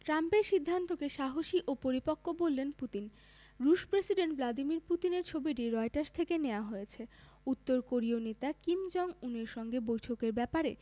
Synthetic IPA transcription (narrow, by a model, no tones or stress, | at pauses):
ʈɾampeɾʃid̪ʱːant̪okeʃaɦoʃiʔopoɾipokʰːobolːenput̪in | ɾuʃpɾesiɖeɳʈblad̪imiɾput̪ineɾt͡ɕʰobiʈiɾɔeʈaɾst̪ʰekeneoaɦojet͡ɕʰe | ut̪ːoɾkoɾionet̪akimd͡ʑɔŋuneɾʃɔŋɡebojʈʰokeɾbɛpaɾe